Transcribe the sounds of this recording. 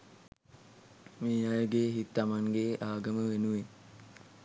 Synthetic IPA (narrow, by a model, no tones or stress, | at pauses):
meːajəɡeːɦit̪ːamaŋɡeːʔaːɡəməʋenuʋe